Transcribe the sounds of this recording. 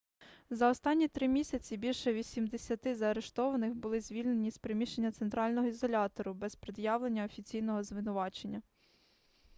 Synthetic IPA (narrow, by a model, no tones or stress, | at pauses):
zɐɔst̪ɑnʲːit̪ɾɪmʲisʲɐt͡sʲibʲilʲʃɛʋʲisʲimd̪esʲɐt̪ɪzɐːɾe̞ʃt̪ɔʋɐnɪxbʊlˠɪzʲʋʲilʲne̞nʲispɾemʲiʃt͡ʃe̞nʲːɐt̪sent̪ɾɑlʲnɔɦɔizɔlʲɑt̪ɔɾʊbɛspɾɪd̪jɑʋlˠe̞nʲːɐɔfʲit͡sʲijnɔɦɔzʋɪnʊʋɑt͡ʃe̞nʲːɐ